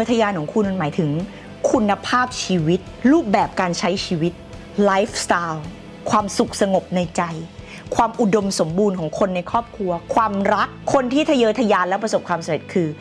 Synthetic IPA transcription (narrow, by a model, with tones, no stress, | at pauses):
t̪ʰa˧jaː˧nkʰɔː˩˦ŋkʰu˧nm˧nmaː˩˦jt̪ʰɯ˩˦ŋ | kʰu˧nːa˧pʰaː˥˩p̚t͡ɕʰiː˧wi˦˥t̪̚ɾuː˥˩p̚bɛː˨˩p̚kaː˧nt͡ɕʰa˦˥jt͡ɕʰiː˧wi˦˥t̪̚ | laː˦˥jfst̪aː˧w | kʰwaː˧msu˨˩k̚sa˧ŋo˨˩p̚na˧jt͡ɕa˧j | kʰwaː˧mʔu˨˩do˧mso˩˦mbuː˧nkʰɔː˩˦ŋkʰo˧nːa˧jkʰɔː˥˩p̚kʰɾu˧ɐkʰwaː˧mɾa˦˥kʰːo˧nt̪ʰiː˥˩t̪ʰa˧jɤː˧˥t̪ʰa˧jaː˧nlɛː˦˥wp̬ɾa˧so˨˩p̚kʰwaː˧msa˨˦ɾe˨˩t̪̚kʰɯː˧